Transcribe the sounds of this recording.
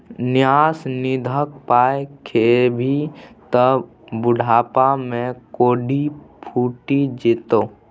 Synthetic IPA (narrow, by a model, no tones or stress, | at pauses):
nɪjaːsnɪd̪ʱək̚paːekʰebʱit̪əb | bʊɖʱaːpamẽkoːɖipʰuːʈid͡ʒɪt̪oː